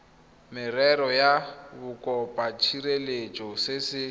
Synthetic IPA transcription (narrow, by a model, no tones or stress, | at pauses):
mɪrɛɾɔjabʊkʼɔpʼat͡ʃʰiɾelet͡ʃʼɔsesɪ